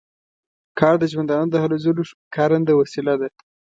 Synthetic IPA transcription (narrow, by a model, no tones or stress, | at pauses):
kʰɑɾd̪əʒwand̪ɑnod̪əhalozəloʂkʰɑɾand̪əwasilad̪a